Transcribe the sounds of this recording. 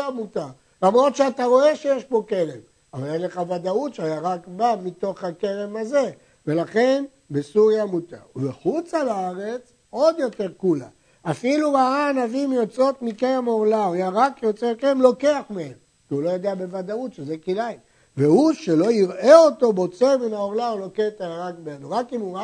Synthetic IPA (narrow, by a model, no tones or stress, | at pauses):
amut̪a | lamʁo̞t̪ʃeat̪aʁo̞e̞ʃe̞jeʃbo̞kelem | avaljeʃle̞χavad̪aut̪ʃeajaʁakbamit̪o̞χhake̞le̞maze̞ | ve̞laχe̞n | besuʁjamut̪a̰veχut͡salaaʁet͡s | o̞d̪jo̞t̪e̞ʁkula | afilubaaːnavimjo̞t͡so̞t̪mikejemo̞ʁlaojaʁakjo̞t͡sekeʁemlo̞ke̞aχmeem | kiulo̞jod̪eabe̞vad̪autʃezekilaj | vehuʃe̞lo̞iʁeo̞t̪o̞bo̞t͡seminaoʁlaoloket̪ajaʁakbeenuʁakimuʁa